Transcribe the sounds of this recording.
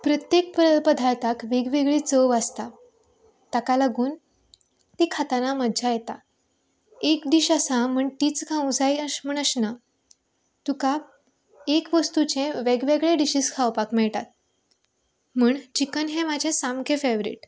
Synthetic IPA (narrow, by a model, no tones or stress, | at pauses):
pɾət̪jek̚pɾəpəd̪ʱaɭt̪akʋeɡʋeɡɭit͡səʋəst̪a | t̪akalaɡuːn | t̪ikʰat̪anaməd̪d͡ʑʱajet̪a̰ | ekd̪iɕasãm̤əɳʈ̪iːt͡skʰãũd͡zajəm̤əɳəɕna | t̪uka | ekʋəst̪ut͡ɕẽʋeɡʋeɡɭeɖiɕiskʰawpakmɛɭʈa̰t̪̚ | m̤uːɳt͡ɕikənɦẽmad͡ʑʱesamkʰefeʋɾḭʈ